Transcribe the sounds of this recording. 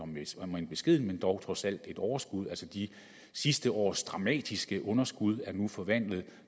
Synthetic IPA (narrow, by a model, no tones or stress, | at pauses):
ɒ̽mesmenb̥e̝sɡ̥e̝ð̞̰ˠn̩mend̥ɒʊt͡sʰʁɒ̽sæl̰d̥e̝d̥ɒʊɐsɡ̥uð̞ˠælsəd̥i | sisd̥əʔɒ̰ːsd̥ʁɑ̈mɛ̰ːd̥isɡ̥əʔɔ̽nɐsɡ̥uð̞ˠæɐnufɒ̽ʋæn̰lð̞̩ˠ